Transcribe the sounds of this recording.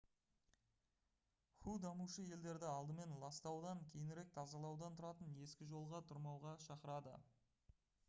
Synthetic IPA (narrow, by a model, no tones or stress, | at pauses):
xud̪ɑmuʃəje̞ld̪e̞ɾd̪ɪɑlˠd̪əme̞nlˠɑst̪ɑwd̪ɑŋkʲʰe̞jɪnɪɾe̞k̚t̪ʰɑzɑlˠɑwd̪ɑnt̪ʰʊɾɑt̪əne̞skʲɪʒo̞lˠʁɑt̪ʰʊɾmɑwʁɑʃɑqəɾɑd̪ə̰